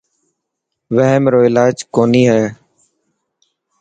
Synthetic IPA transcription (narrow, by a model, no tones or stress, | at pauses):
ʋəɦɛmɾoːɪlaːd͡ʒkoːniːɦɛː